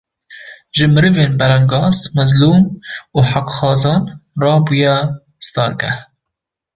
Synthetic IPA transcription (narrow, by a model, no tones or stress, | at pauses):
ʒɨmɨɾɨveːnbɛɾɛŋɡɑːzmɛzluːmuːħakxɑːzɑːnrɑːbujɛ | st̪ɑːɾɡɛ̰